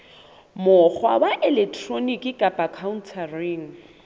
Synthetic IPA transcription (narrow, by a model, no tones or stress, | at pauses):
mʊk͡xwa̰waʔɛlɛk̚tʰronikʼɪkʼapʼakʰaun̩tʰariŋ̩